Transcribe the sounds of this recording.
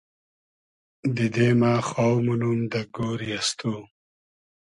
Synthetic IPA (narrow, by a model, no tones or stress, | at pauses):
d̪id̪emaːxaːwmunumd̪ɐɡoːɾijast̪u